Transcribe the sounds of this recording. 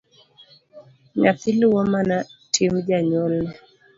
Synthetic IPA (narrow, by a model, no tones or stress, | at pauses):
ɲaθɪlɪwɔmanatʰimd͡ʒaɲɔlːɛ